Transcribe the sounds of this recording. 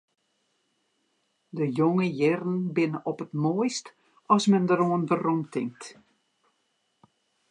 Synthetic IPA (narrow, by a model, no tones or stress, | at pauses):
dəjoŋəjɪrən̩bɪnəɔpətmoəjst | ɔsmɛndəɾoənvəromtʰɪŋk̚t